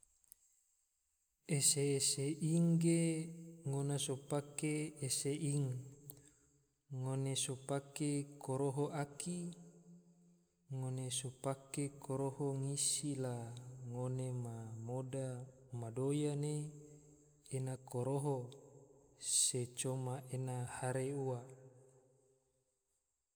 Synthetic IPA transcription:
eseːseʔiŋɡeŋonasopakeːseʔiŋ | onesopakekoɾoɦoʔaki | ŋonesopakekʰoɾohoŋisilaŋonemamodamadojane | nakoɾoɦo | set͡ʃomaʔenahaɾeua

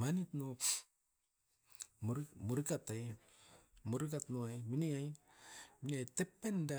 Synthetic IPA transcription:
manitno | muɾmuɾikataj | muɾikatnoajminiaj | miniajtepːenda

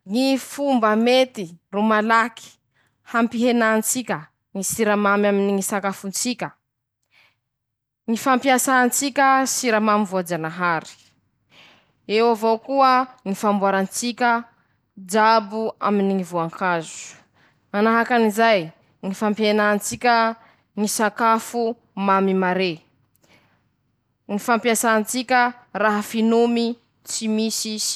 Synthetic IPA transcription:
ŋifumbəmet̪irumalaki̥ | hampiɦenant͡sikʲə | ŋisiɾamamaminiŋisakafunt͡sikʲə | ŋifampiasaːnt͡sikʲəsiɾamamivuad͡ʒanaɦaɾi̥ | ewavowkuəŋifambuaɾant͡sikʲə | d͡ʒabua̰miniŋivoaŋkazu̥ | manaɦakanizaj | ŋifampjenant͡sikʲə | ŋisakafu | mamimaɾe | ŋifampiasaːnt͡sikʲə | raɦafinumi | t͡simisi

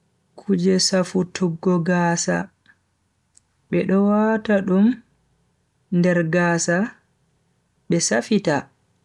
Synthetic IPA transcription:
kʰud͡ʒɛsafutʰuɡːɔɡaːsa̰ | ɓɛɗɔwataɗum | ndɛɾɡaːsa | ɓɛsafita

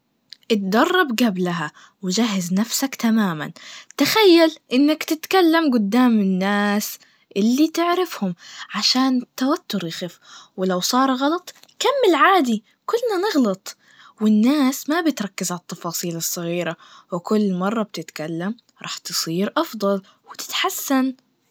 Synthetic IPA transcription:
ʔɪt̪̚d̪ɑrˤːɑbɡablaɦa | wɪd͡ʒaɦːɪznafsakt̪amaːma̰nt̪axajːalʔɪnːakt̪ɪt̪kalːamɡʊd̪ːaːmɪnːaːs | ʔɪlːit̪ɪʕɾɪfhʊmʕaʃaːnt̪awat̪ːʊɾjxɪfwɪlawsˤɑːɾˤɣɑlɑt̪ˤkamːɪlʕaːd̪i | kʊlːnanɪɣlɑt̪ˤ | wɪnːaːsmabɪt̪ɾˤɑkːɪzʕalɑt̪ːɑfɑːsˤiːlɨsˤːɨɣiːɾawɪkʊlːmɑrˤːɑb̚t̪ɪt̪kalːam | ɾˤɑ̰ːħt̪ɨ̥sˤiːɾʔɑfd̪ˤɑl | wɪt̪ɪ̥t̪ħasːan

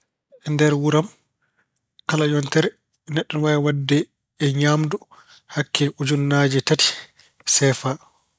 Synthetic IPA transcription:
ʔɛndɛɾwuɾam | kalajɔntɛɾɛ | nɛɗːɔnwajwadːɛː | ɲamdu | hakʰːɛʔud͡ʒunːad͡ʒɛtati̥ | sɛːfa

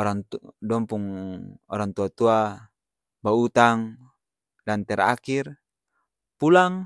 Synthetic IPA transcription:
ɔɾaŋdɔmpuŋɔɾaŋt̪uat̪ua | baut̪aŋ | lant̪ɛɾa̰kir | pulaŋ

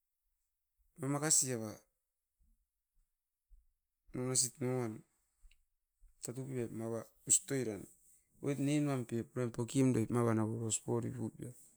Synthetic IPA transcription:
mamakasiaβa | nonas̬itnoan | tatupapmaβa | ustojɾan | ojtnenmampiepuɾenpokimdojpmaβanaβoɾospoɾḭpupia

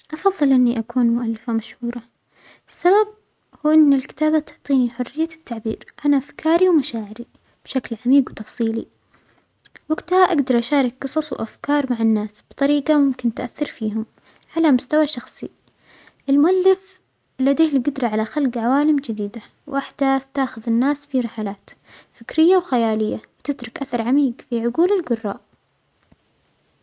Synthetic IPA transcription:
ʔɑfɑðˤːɨlʔɪnːiʔakuːnmʊʔalːɪfamaʃhuːɾˤɑ | ʔɪsːabab̚ | huːʔɪnːɪlkɪ̥t̪aːbat̪ʊʕt̪ˤiːniħʊrːɪjːat̪ːaʕbiːɾʕanʔafkʰɑːɾiwmaʃaːʕɪɾi | b̥ʃaklʕamiːɡwt̪ɑfsˤiːlḭ | waɡt̪haʔaɡd̪ɑɾˤʔaʃaːɾˤɑkqɨsˤɑsˤwʔafkɑːɾˤmaʕanːaːsb̥t̪ˤɑɾiːqɑmʊmkɪnt̪aʔaθːɑɾˤfiːɦʊm | ʕalamʊst̪awaʃɑxsˤḭ | ʔɪlmʊʔalːɪf | lad̪eːhɪlɡʊd̪ɾˤɑʕalaxalɡʕawaːlɪmd͡ʒɪd̪iːd̪a | wʔaħd̪̥aːθt̪aːxʊðɪnːaːsfiɾɪħalaːt̪ | fɪkɾɪjːawxajaːlɪjːawt̪ɪt̪ɾʊkʔaθɑɾˤʕamiːɡfiʕʊɡuːlɪlɡʊrˤːɑ̰ːʔ

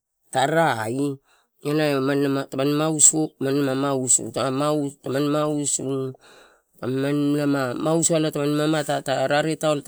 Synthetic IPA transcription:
taɾaːi | anaemanamatamanmausomanamamausṵtaamautamanmausu | tamannamamausualatamanmamatataɾaɾetaont

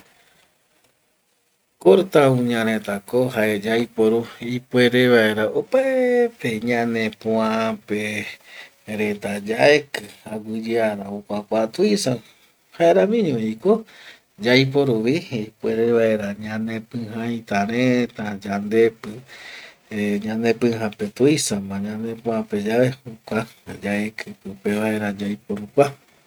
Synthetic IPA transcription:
koɾt̪aũɲãɾ̃ẽt̪akoɦaed͡ʒajpoɾuipweɾeβaeɾaopaeepeɲãnẽpõãpe | ɾet̪ad͡ʒaekɨaɡɨd͡ʒɨaɾaokʷakʷat̪uisã | haeɾamĩɲõiko | d͡ʒajp̬oɾuβipueɾeβaeɾaɲãnẽpɨ̃hãjt̪aɾet̪ad͡ʒand̪epɨ | eɲãnepɨ̃ɦãpet̪uisãmãɲãnẽpõãped͡ʒaβehukʷad͡ʒaekʰɨpɨpeβaeɾad͡ʒajpoɾukʷa

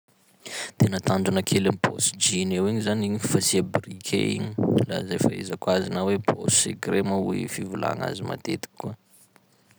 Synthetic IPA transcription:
t̪enət̪aɳɖ͡ʐunakʰelamibo̰sd͡ʒinewiɲizaniɲifasiabrikʲʰḛḭɲi̥la̰zefaezakwazinawepʰo̰seɡremauḭfivula̰ŋa̰zima̰t̪et̪i̥kːuə

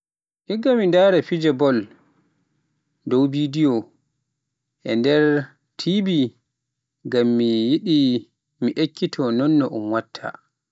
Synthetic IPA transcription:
ʔiɡamindaɾɛfid͡ʒɛbɔl | dowbidijɔ | ʔɛ̰ndɛɾ | tʰibi | ɡamːijiɗi | miʔekʰːitʰɔnɔnːɔʔumwatʰːa̰

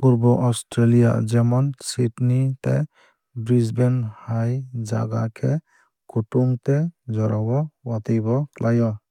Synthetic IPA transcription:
puɾbɔʔɔstɾelija̰d͡ʒɛmɔnsitnit̪ḛ | bɾizbɛnhajd͡ʒa̰ɡakʰɛ | kuʈuŋt̪ed͡ʒɔɾʔabɔwat̪ijbɔklʔajɔ

